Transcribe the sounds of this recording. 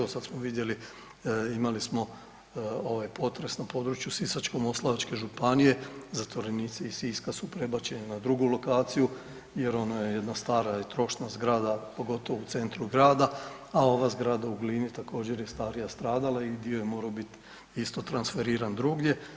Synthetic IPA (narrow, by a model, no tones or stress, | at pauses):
osad̪smoʋid̪je̞li | imalismo̞ | o̞ʋajpo̞t̪ɾe̞snapo̞ːd̪ɾut͡ʃjusisat͡ʃko̞mo̞slˠaʋat͡ʃke̞ʒupanije̞zat̪ʋo̞ɾeniːt̪seisiskasupɾe̞bat͡ɕe̞nenad̪ɾuɡulo̞kaːt̪siju | je̞ɾo̞najeje̞d̪nast̪aːɾaet̪ɾo̞ʃnazɡɾaːd̪apo̞ɡo̞t̪o̞ʋout̪se̞nt̪ɾuɡɾaːd̪aao̞ʋazɡɾaːd̪auɡliːnit̪ako̞ːd͡ʑe̞ɾjest̪aːɾijast̪ɾaːd̪alˠaid̪iojemo̞ːɾaobit̪ | ist̪o̞t̪ɾansfe̞ɾiːɾand̪ɾuɡje̞